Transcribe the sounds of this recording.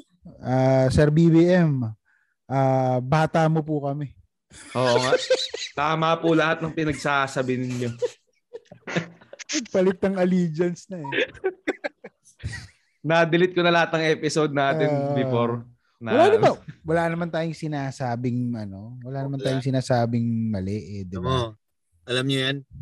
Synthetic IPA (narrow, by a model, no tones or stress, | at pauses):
ʔaːsɛɾbibiːʔɛm | ʔaːbaːt̪ɐmopʊkɐmɛ | ʔoːʔoŋaʔt̪aːmapʊlɐhat̪̚nɐŋpɪnɐɡ̚saːsɐbɪnɪɲjo | ɐɡ̚pɐlɪk̚t̪ːɐŋɐliːd͡ʒɐnsnɐɛ | naːd̪ɪlɪt̪̚konɐlɐhat̪̚nɐŋʔɛːpɪsod̪̚naːt̪ɪnbɪfoɾ | nɐlaːnɐmawɐlanɐmant̪aːjoŋsɪnaːsaːbɪŋʔɐno̞wɐlaːnɐmant̪aːjoŋsɪnaːsaːbɪŋmɐlɛʔɛd̪ɪb | ʔɐlamɲojɐn